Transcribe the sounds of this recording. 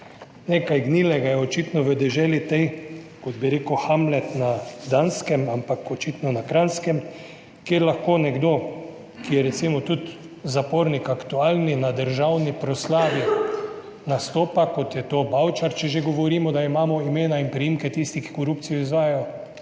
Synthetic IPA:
nekajɡniːlɛɡajɛɔt͡ʃit̪nɔʋəd̪ɛʒɛːlit̪ɛjkɔd̪̚biɾeːkuxamlɛt̪nad̪anskɛmampakɔt͡ʃit̪nɔnakɾanskɛm | kjeɾlaxkoːnɛɡd̪oː | kijɛɾɛt̪simɔt̪ut̪ | zapoːɾnikakt̪uaːlninad̪əɾʒawnipɾɔslaːʋi | nast̪oːpakot̪jɛt̪oːbawt͡ʃaɾt͡ʃɛʒeɡɔʋɔɾiːmɔd̪aimaːmɔimeːnainpɾijimkɛt̪ist̪iki̥koɾupt̪sijɔizʋaːjajɔ

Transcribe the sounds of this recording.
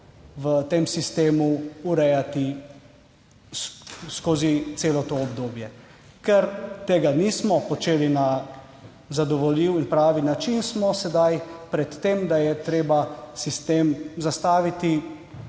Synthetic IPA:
ʋət̪emsist̪eːmuuɾɛjat̪i | sskoːzit̪seːlɔt̪oːbd̪oːbjɛ | kɛɾt̪eːɡanismɔpɔt͡ʃeːlina | zad̪ɔʋɔliːwinpɾaːʋinat͡ʃinsmɔsɛd̪ajpɾɛt̪ːemd̪ajɛt̪ɾeːbasist̪eːmzast̪aːʋit̪i

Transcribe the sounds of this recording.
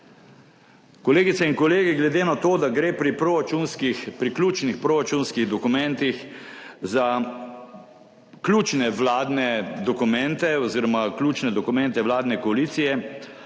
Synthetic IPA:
kɔleːɡit̪sɛinkɔleːɡiɡlɛd̪eːnat̪oːd̪aɡɾeːpɾipɾoɾat͡ʃunskixpɾiklʲuːt͡ʃnixpɾoɾat͡ʃunskiɣd̪ɔkumɛ̃nt̪ixza | klʲjuːt͡ʃnɛʋlaːd̪nɛd̪ɔkumɛnt̪ɛɔziːɾɔmaklʲuːt͡ʃnɛd̪ɔkumɛnt̪ɛʋlaːd̪nɛkɔaliːt̪sijɛ

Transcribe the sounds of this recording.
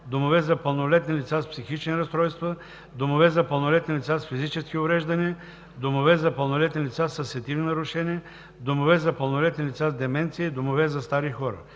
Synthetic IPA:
d̪omovɛzɐpəlˠnolɛt̪nʲilʲit̪saspsixit͡ʃniɾɐst̪ɾɔjst̪və | d̪omovɛzɐpəlˠnolɛt̪nilʲit̪sasfizit͡ʃɛsk̟iʊvɾɛʒd̪ɐniə | d̪omovɛzɐpɐlˠnolɛt̪nilʲit̪sasɐsɛt̪ivninɐɾʊʃɛniə | d̪omovɛzɐpəlˠnolɛt̪nilʲit̪sazd̪ɛmɛnt̪siəid̪omovɛzɐst̪aɾixɔɾə̰

